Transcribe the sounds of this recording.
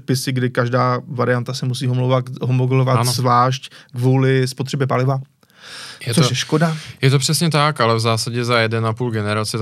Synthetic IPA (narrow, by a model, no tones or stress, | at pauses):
pɪsɪɡdɪkaʒdaːvaɾɪant̪asɛmus̬iːɦomlowvat̪ɦomoɡɛlovat̪zvlaːʃckvuːlɪspot̪r̝̥ɛbɛpalɪva | jɛt͡soʃjɛʃkodajɛt̪opr̝̥ɛsɲɛt̪akalɛvzaːsaɟɛzajɛdɛnapuːlɡɛnɛɾat͡sɪ